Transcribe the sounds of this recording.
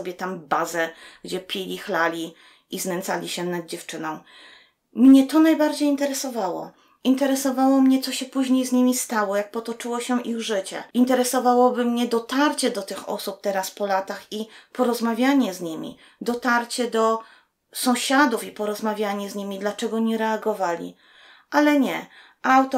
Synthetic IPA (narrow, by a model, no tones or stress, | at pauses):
ɔbʲjɛt̪ambazɛɡ̥d͡ʑɛpʲilʲixlalʲi | ʔizmɛnt̪salʲiɕɛnad̪̚d͡ʑɛft͡ʂɘnɔ̃w̃ | mɲɛt̪ɔnajbaɾd͡ʑejint̪ɛɾɛsɔvawɔ̰ | int̪ɛɾɛsɔvawɔmɲɛt̪sɔɕɛpuʑɲejzɲimʲist̪awɔjak̚pɔt̪ɔt͡ʂɘwɔɕɛʔiɣʐɘt͡ɕɛ̰int̪ɛɾɛsɔvawɔbɘmɲɛd̪ɔt̪aɾt͡ɕɛd̪ɔt̪ɘxɔ̰sup̚t̪ɛɾaspɔlat̪axipɔɾɔzmavʲjaɲɛzɲimʲḭ | d̪ɔt̪aɾt͡ɕɛd̪ɔ | sɔ̃w̃ɕad̪ufipɔɾɔzmavʲjaɲɛzɲimʲid̪lat͡ʂɛɡɔɲɛɾɛaɡɔvalʲḭ | ʔalɛɲɛ | ʔawt̪ɔ